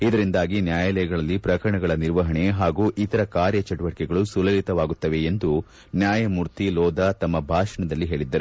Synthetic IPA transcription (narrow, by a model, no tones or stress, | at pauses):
id̪ɐɾind̪aːɡinjaːjɐlɛjɐɡɐɭɐlːipɾɐkɐɾɐɳɐɡɐɭɐniɾʋɐɦɐɳe̞ɦaːɡuːʔit̪ɐɾɐkaːɾjɐt͡ʃɐʈuʋɐʈikɛɡɐɭusulɐlit̪ɐʋaːɡut̪ːɐʋe̞ːnd̪u | njaːjɐmuɾt̪ilɔːd̪ɐt̪ɐmːɐbʱaːʂɐɳɐd̪ɐlːiɦe̞ːɭid̪ːɐɾu